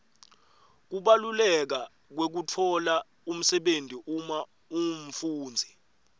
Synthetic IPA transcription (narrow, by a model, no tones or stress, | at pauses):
k̬uɓalulɛk̬a | k̬wek̬utʰɔla | um̩sɛɓentiʔuma | um̩fuːnd͡zʱi